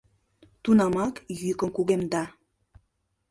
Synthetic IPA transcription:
t̪unamakjykoŋkuɡemd̪a

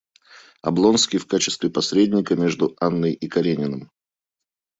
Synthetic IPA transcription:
ɐ̰blˠo̞nskʲɪjfkat͡ɕɪ̥st̪vʲɪpɐsʲɾʲedʲnʲɪkəmʲe̞ʐd̪ʊanːəjikɐɾʲenʲɪnəm

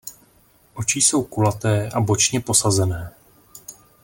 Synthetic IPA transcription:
ʔo̞t͡ʃiso̞wkulat̪ɛːʔabo̞t͡ʃɲɛpo̞sazɛnɛː

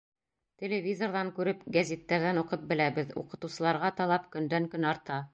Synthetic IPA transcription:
t̪ʲelʲevʲizorðɑŋkʉɾɘpɡæzʲet̪ːæɾðænuqɤp̚bɘ̆læβɘðṵqɤ̆t̪ŭsɤ̆lˠɑɾʁɑt̪ɑlˠɑpkɵ̆nd̪æŋkɵnɑɾt̪ɑ

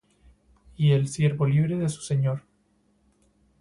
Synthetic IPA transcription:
ie̞lsje̞ɾβo̞liβ̞ɾeðesu̥se̞ɲoɾ

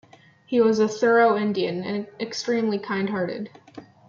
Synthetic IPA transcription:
hiwʌzɨθɜ˞oʊɪ̃ndiɨ̃nɨ̰̃nʔɨkstɹ̥ĩmlikʰãɪ̃nd̚ɦɑɹɾɨ̰d̥

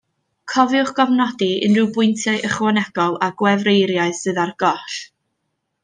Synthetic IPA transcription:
kʰɔvɪʊχɡ̥ɔvnɔdiə̰nrɨwbʊɨntʰjaɨʔəχwɔnɛɡ̥ɔlˠaɡwɛvrejɾjaɨðsɨðarɡ̥ɔɬ

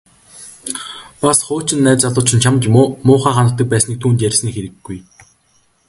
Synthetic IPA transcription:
pasχʊːt͡ɕɪ̆nːæːt͡saɮʊ̆ːt͡ɕʰɪ̆nt͡ɕʰamt̪ːmʊːχaːχanə̆t̪ːə̆k̚pæːsniːk̚t̪ʰuːnt̪jærʲsniːkxeɾɘ̆ɡːuj

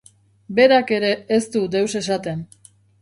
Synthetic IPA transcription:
be̞ɾake̞ɾe̞ːst̪ud̪e̞wse̞sat̪e̞n

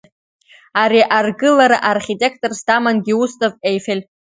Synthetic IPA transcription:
aɾiʔarɡɨlaɾaʔarχʲitʲʼe̞kʰtʼorstamanɡʲiustʼovejfelʲ

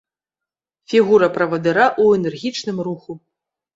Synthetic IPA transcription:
fʲiɣuɾɐpɾɐvɐd̪ɨɾaʔuɛnɛrɣʲit͡ʂnɨmruxu

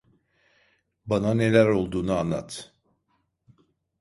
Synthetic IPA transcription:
banane̞lʲæɾo̞lˠd̪uːnuanːa̰t̪

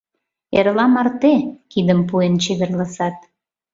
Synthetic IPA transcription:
eɾlɑmɑrt̪ekid̪əmpuent͡ɕed̪ərlɑsɑt̪̚

